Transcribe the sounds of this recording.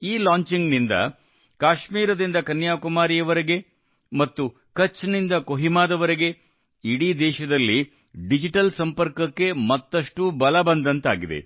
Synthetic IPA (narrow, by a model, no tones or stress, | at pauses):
iːlaːɲt͡ʃiŋɡnind̪ɐ̰ | kaːʃmiːɾɐd̪ind̪ɐkɐnjaːkumaːɾijɐʋɐɾeɡe̞ | mɐt̪ːu | kɐt͡ʃːnind̪ɐkoɦimaːd̪ɐʋɐɾeɡe̞ | iɽid̪ɛːʃɐd̪ɐlːi | ɖid͡ʒiʈɐlsɐmpɐɾkɐkːe̞mɐt̪ːɐʂʈubɐlɐbɐnd̪ɐnt̪aːɡid̪ḛ